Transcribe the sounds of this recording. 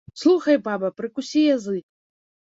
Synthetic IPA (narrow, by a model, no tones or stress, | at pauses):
slˠuxɐjbabɐpɾɨkusʲijazɨ